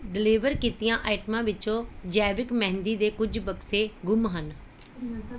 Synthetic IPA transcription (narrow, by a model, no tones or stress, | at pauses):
ɖɪliːʋəɾkiːt̪ɪjãːʔaːɪʈmãːʋɪt͡ʃõːd͡ʒɛːʋɪkmɛ̃ɦnd̪iːd̪eːkʊd͡ʒbəkseːɡʊmɦən